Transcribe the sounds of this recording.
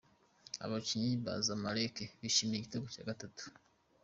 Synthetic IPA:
a̰βaciɲiβa̰zamaɾekeβiʃimieɟiteɡoca̰ːɡatatu̥

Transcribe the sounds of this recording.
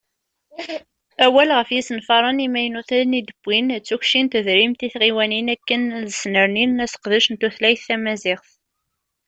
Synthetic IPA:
æwælʁəfjisənfɑɾˤɑnimæjnuθæðnid̪əb̥ːint͡sːuçʃint̪əðɾimt̪iθʁiwæninækːənðəsnəɾninæsə̥qðəʃənt̪uθlæjθːæmæzɪχθ

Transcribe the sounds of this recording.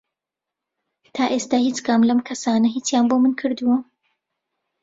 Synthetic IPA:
t̪ʰaːʔeːst̪aːhiːt͡ʃkamlɐmkʰɐsaːnɐɦiːt͡sjaːnbomɨnkʰɨɾd̪uwɐ

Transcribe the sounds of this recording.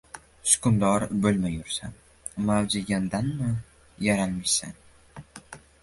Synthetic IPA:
ʃʊ̥kʰʊmd̪ɒɾbɵlmajʊɾsa̰ | mawd͡ʒɪɡʲand̪anmɪ | jaɾanmasan

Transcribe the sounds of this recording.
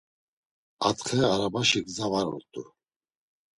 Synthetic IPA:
at̪χɛaɾabaʃiɡzavaɾɔ̰lt̪ʼu

